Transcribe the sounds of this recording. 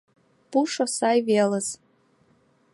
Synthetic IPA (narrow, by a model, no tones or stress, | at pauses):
b̥uʂosajveləz̥